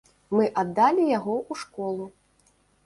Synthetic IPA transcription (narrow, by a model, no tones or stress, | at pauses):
mɨʔad̪ːalʲijaɣɔʔuʂkɔlˠu